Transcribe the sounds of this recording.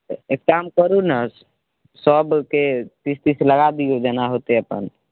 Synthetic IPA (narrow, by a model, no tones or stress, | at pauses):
ekamkəɾunəs | səbket̪ist̪isləɡad̪ijod͡ʒɛnaɦot̪eəpə̰n